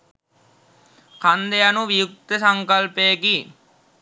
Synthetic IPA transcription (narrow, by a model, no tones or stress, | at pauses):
kʰand̪ejɐnuʋijuk̚t̪əsɐŋkɐlpeki